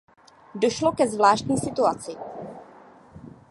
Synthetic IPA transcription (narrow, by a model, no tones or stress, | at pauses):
do̞ʃlokɛzvlaːʃtɲiːsɪt̪uat͡sɪ